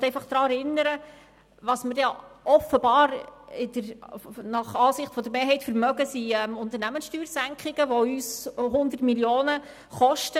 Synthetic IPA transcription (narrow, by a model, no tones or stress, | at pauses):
tɛjfɑχd̥̪ɾɑːɛɾɪnːəɾə | ʋɑːsməɾdɛɔfːəbɑːɾɪd̥̪əɾnɑχɑːsɪχtfɔd̪əɾmeːɾɦɛɪtfəɾmœɡəsiɛmʊnt̪əɾnæmənsʃtyːɾsæŋkχɪɡ̥əʋɔyːsɦʊnd̪ərtmiljoːnə | χɔʃtə